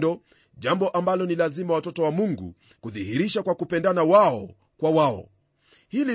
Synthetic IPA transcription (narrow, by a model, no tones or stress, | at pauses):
dɔ | ʄambɔʔambalɔnilazimawatɔtɔwamuŋɡṵ | kuðihiɾiʃakwakupɛndanawaɔ | kwawaɔ̰ | hili